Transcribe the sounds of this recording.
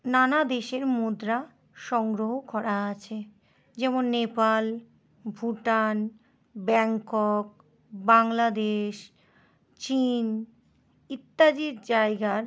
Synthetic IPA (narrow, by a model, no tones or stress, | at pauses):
nanad̪eʃeɾmud̪ɾa | ʃɔŋɡɾoɦokɔɾaat͡ɕʰe | d͡ʑɛmonːepal | bʱuʈan | bɛŋkok̚ | baŋlad̪eʃ | t͡ɕin | it̪ːad͡ʑiɾd͡ʑajɡaɾ